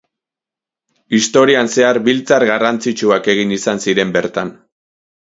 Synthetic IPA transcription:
ist̪o̞ɾianse̞aɾbilt͡saɾɣarant͡sit͡ʃuake̞ɣ̞inisansiɾe̞mbe̞ɾt̪an

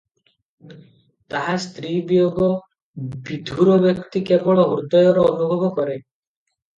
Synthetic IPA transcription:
t̪aɦast̪ɾibijoɡɔ | bid̪ʱuɾɔbjɔkt̪ikebɔɭɔɦuɾd̪ɔjɔɾɔɔnubʱɔbɔkɔɾe

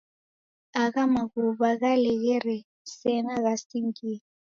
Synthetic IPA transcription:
akamaɣuɓaɣalɛɣɛrɛ | sɛnaɣasiŋkiː

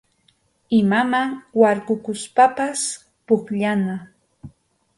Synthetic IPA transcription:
ɪmamawaɾkʊkʊspapas | pʊkʎana

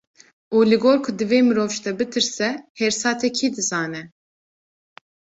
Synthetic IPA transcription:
uːlɨɡoːɾkʰʊd̪ɨveːmɨɾoːvʃt̪ɛbɨt̪ʰɨɾsɛhɛɾsɑːt̪ʰɛkʰiːd̪ɨzɑːnɛ

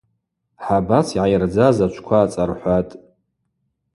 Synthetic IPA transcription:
ħabasiʕajrd͡zazat͡ʃʷʰkʷʰaːt͡sʼarħʷatʼ

